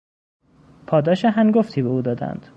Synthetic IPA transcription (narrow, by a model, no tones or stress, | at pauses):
pʰɒːd̪ɒːʃeɦæŋɡoft̪ʰiːbeuːd̪ɒːd̪æ̰nd̪̥